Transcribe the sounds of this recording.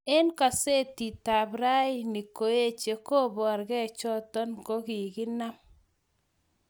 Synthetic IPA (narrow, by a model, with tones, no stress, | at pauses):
e˦nka˨se˦ti˨ta˨bɾa˦i˦ni˨ko˨e˦t͡ʃe˨ko˦bɔ˨a˨ɾɡɛ˦˨t͡ʃɔ˦tɔ˦nko˦ki˨ɡi˦na˦m